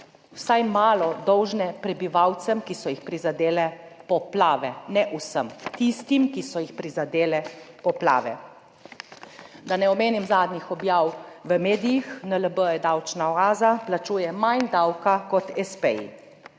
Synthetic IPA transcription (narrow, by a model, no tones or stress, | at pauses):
wsajmaːlɔd̪ɔwʒnɛpɾɛbiʋawt̪sɛmkisɔjixpɾizad̪eːlɛpɔplaːʋɛnɛʔusəmkt̪ist̪imkisɔjixpɾizad̪eːlɛpɔpla̰ːʋɛ̰ | d̪anɛɔmeːnimzaːd̪nixɔbjaːwʋəmeːd̪ijixnələbəjɛd̪awt͡ʃnaɔaːzaplat͡ʃuːjɛmand̪awkakɔt̪ɛspɛḭ